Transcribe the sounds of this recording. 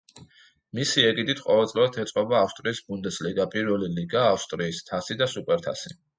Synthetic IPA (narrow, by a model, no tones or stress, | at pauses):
misiɛɡid̪it̪ʰqʼɔvɛlt̪sʼlivat̪ʰɛt̪sʼɔbaːfst̪ʼɾiːsbund̪ɛsliɡapʼiɾvɛliliɡaːfst̪ʼɾiːst̪ʰasid̪asupʼɛɾt̪ʰa̰si